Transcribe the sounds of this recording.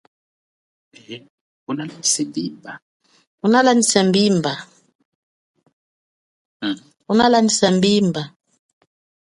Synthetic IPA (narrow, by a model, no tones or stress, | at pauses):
unalanisembimba | unalandisambimba | unalandisambimba